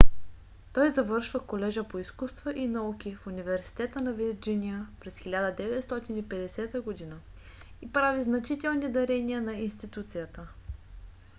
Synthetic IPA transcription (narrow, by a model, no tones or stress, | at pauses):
t̪ɔjzɐvɤɾʃvəkolɛʒəpoiskust̪vəʔinɐuk̟ʲifunivɛɾsi̥t̪ɛt̪ənɐviɾd͡ʒinʲijəpɾɛsxilʲad̪əd̪ɛvɛt̪st̪ɔt̪inipɛd̪ɛsɛt̪əɡod̪inə | ipɾaviznɐt͡ʃit̪ɛlˠnid̪ɐɾɛniənɐinst̪it̪ut̪sijət̪ə